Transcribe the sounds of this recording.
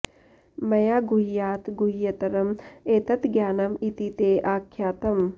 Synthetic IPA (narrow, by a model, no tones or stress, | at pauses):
mɐjaːɡuɦijaːt̪ɡuɦijɐt̪ɐɾɐmeːt̪ɐt̪ɡjaːnɐmit̪it̪eːʔaːkʰjaːt̪ɐm